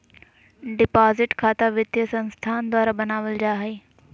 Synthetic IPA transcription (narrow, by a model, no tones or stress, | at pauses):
ɖɪpaːzɪʈkʰaːt̪aʋɪt̪jəsɐ̃nst̪ʰaːnd̪waːɾabɐnaːʋəld͡ʑaːɦeː